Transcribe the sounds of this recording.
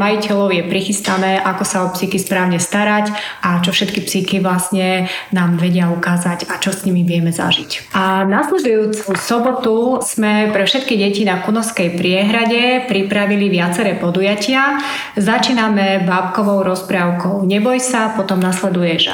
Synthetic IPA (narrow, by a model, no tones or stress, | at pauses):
majicɛʎɔʊjɛpɾixist̪anɛːʔakɔsaɔpsikispɾaːʊɲɛst̪aɾacʔat͡ʃɔfʃɛt̪kipsikiʋlasɲɛnaːmʋɛɟɪaukaːzaɟat͡ʃɔsɲimiʋɪɛmɛza̰ʒicanaslɛd̪ujuːt͡susɔbɔt̪uz̥mɛpɾɛfʃɛt̪kiɟɛcinakunɔskɛjpɾɪɛɦɾaɟɛpɾipɾaʋiliʋɪat͡sɛɾɛːpɔd̪ujacɪa | zat͡ʃiːnamɛbaːpkɔʋɔʊɾɔspɾaːʊkɔʊɲɛbɔjsapɔt̪ɔmnaslɛd̪ujɛʒ̰